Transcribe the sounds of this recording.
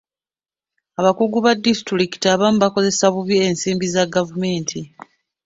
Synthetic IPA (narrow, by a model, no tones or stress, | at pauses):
aβakuɡuβadːistɾiki̥tiaβamuβako̞ze̞saβuβiensiːmbizaɡavume̞ːntʰi